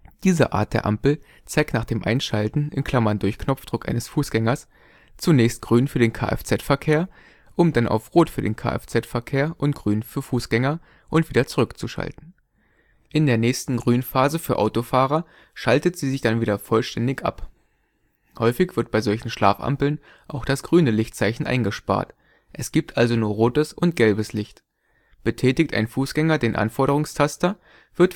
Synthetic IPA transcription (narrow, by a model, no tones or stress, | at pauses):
d̥iːzə̰ʔa̰ːɐt̚d̥eːɐʔampl̩ | t͡saɪktnaːχd̥eːmʔaɪnʃaltn̩ɪ̰nkʰl̥amɐndʊɐçkʰnɔp͡fd̥ʁʊkʔa̰ɪnəsfuːsɡ̥ɛŋɐs | t͡sunɛːçst̚ɡ̥ʁyːnfyːɐdeːnkʰa̰ːʔɛ̰ft͡sɛtfɛɐkʰeːɐ | ʔʊmdanʔa̰ʊfʁoːtfyːɐdḛːnkʰa̰ːʔɛ̰ft͡sɛtfɛɐkʰeːɐʔʊntɡ̥ʁyːnfyːɐfuːsɡ̥ɛŋɐ | ʔʊntv̥iːdɐt͡suʁʏkt͡suʃa̰ltn̩ | ʔɪndeːɐnɛːçstn̩ɡʁyːnfaːzəfyːɐʔa̰ʊtofaːʁɐ | ʃaltətz̥iːzɪçd̥anviːdɐfɔlʃtɛndɪçʔa̰p | hɔʏfɪçv̥ɪɐt̚b̥aɪzɔlçn̩ʃla̰ːfʔa̰mpl̩n | ʔaʊxd̥asɡ̥ʁyːnəlɪçtt͡saɪçn̩ʔa̰ɪnɡəʃpa̰ːɐt | ʔɛsɡ̥iːp̚tʰʔalzonuːɐʁoːtəsʔʊnt̚ɡ̥ɛlbəslɪçt | b̥ətʰɛːtɪktʔa̰ɪnfuːsɡ̥ɛŋɐdeːnʔa̰nfɔɐɾəʁʊŋstʰastɐ | v̥ɪɐt